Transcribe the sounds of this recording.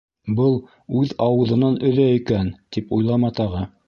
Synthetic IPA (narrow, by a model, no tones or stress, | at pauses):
bɤlˠ | ʉðɑwɤ̆ðɤ̆nɑnɵ̆ðæikænt̪ipujlˠɑmɑt̪ɑʁɤ